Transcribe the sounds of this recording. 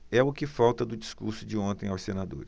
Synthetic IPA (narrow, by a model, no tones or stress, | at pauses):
ɛʊkɪfawt̪ɐd̪ʊd͡ʒiskuɾsʊd͡ʒɪõnt̪ẽj̃awsenad̪o̰ɾɪ